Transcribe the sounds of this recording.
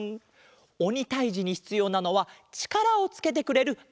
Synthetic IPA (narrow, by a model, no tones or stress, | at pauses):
o̞ɲ̟it̪aiʑiɲ̟içi̥t͡sɨjo̞ːnano̞βat͡ɕi̥kaɾao̞t͡sɨ̥ke̞t̪̬e̞kɯ̟ɾe̞ɾɯ̟